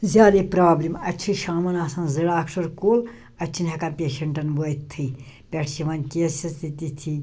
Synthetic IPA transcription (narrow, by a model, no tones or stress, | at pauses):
zʲaːd̪epɾaːblimɐt͡ʃʰiʃaːmɐnaːsãːnziɽaːkʂɐɾkoːl | ɐt͡ʃʰinɦɐkɐnpʲeːʃɐɳʈɐnbojt̪ʰːɨ | pʲeʈʰt͡ʃiʋɐnʲkeːsɐst̪it̪it̪ʰi